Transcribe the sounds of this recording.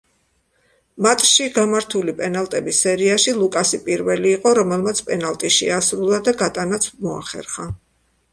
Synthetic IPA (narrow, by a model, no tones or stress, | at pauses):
mat̪ʼʃiɡamaɾt̪ʰulipʼɛnalˠt̪ʼɛbisːɛɾiaʃilˠukʼasipʼiɾvɛliːqʼɔɾɔmɛlˠmat̪sʰpʼɛnalˠt̪ʼiʃɛasɾulˠad̪aɡat̪ʼanat̪sʰmɔa̰χɛ̰ɾχa